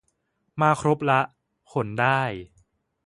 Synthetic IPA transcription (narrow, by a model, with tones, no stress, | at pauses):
maː˧kʰɾo˦˥p̚la˦˥ʔ | kʰo˨˩˦ndaː˥˩j